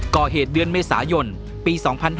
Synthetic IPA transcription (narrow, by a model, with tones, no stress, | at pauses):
kɔː˨˩ɦeː˨˩t̪̚dɯ˧ənmeː˧sa̰ː˩˦jo˧n | piː˧sɔː˩˦ŋpʰa˧nɦ